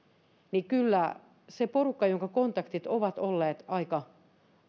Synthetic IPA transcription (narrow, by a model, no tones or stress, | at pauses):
nikylːæ | seporukːɑjoŋkɑkont̪ɑkt̪it̪oʋɑt̪olːeːt̪ɑikɑ